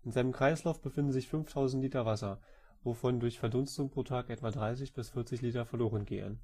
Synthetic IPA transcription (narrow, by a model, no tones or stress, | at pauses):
ʔɪnzaɪnəmkʁ̥aɪslaʊfb̥əfɪndn̩zɪçfʏnftʰaʊzn̩tliːtɐvasɐ | vofɔndʊɐçfɛɐdʊnstʊŋpʁ̥oːtʰaːkʔɛtv̥adʁaɪs̬ɪçb̥ɪsfɪɐt͡sɪçliːtɐfɛɐloːʁənɡeːə̰n